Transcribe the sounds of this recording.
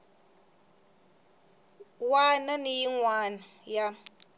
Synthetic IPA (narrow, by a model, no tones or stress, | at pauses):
wananijiŋwaːnaja